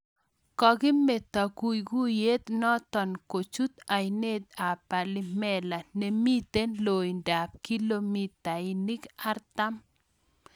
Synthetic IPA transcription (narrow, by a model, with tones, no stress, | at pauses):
kɔ˨ɡɪ˦me˨t̪a˨ku˨jɡu˦je˦t̪nɔ˦t̪ɔ˨nko˨t͡ʃu˦t̪a˨jne˦d̪a˨pa˨lɪ˦mɛ˦la˨ne˨mi˦t̪e˦nlo˨jnda˨p̚ki˦lo˦mi˨t̪a˨ɪ˨ni˦ka˦ɾt̪a˦m